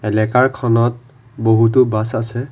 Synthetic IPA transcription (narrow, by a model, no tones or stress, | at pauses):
ɛlɛkaɹkʰɔnɔt̚ | boɦut̬ʊbasasɛ